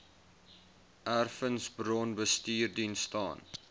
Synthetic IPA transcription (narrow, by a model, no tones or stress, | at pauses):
ʔærfənsbrɔnbəstiːrdinstɑ̰ːn